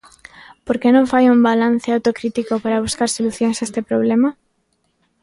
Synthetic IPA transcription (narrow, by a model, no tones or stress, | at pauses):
poɾkenõɱfajumbalan̟θeawt̪okɾit̪ikopaɾaβ̞uskaɾsoluθjõŋsest̪epɾoβlema